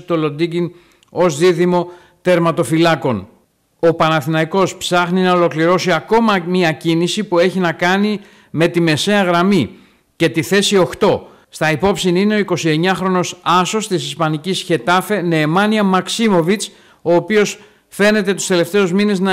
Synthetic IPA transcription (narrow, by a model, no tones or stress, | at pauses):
t̪o̞lo̞d̪iɡin | o̞zðiðimo̞ | t̪e̞ɾmɐt̪o̞filɐko̞n | o̞pɐnɐθinɐiko̞spsɐxninɐo̞lo̞kliɾo̞siɐko̞mɐmiɐcinisipue̞çinɐkɐni | me̞t̪ime̞se̞ɐɣɾɐmi | ce̞t̪iθe̞sio̞xt̪o̞ | st̪ɐipo̞psinine̞o̞iko̞sie̞ɲɐxɾo̞no̞sɐso̞st̪isispɐnicisçe̞t̪ɐfe̞ne̞ːmɐniɐmɐksimo̞vit͡s | o̞ːpio̞s | fe̞ne̞t̪e̞t̪u̥st̪e̞le̞ft̪e̞uzmine̞znɐ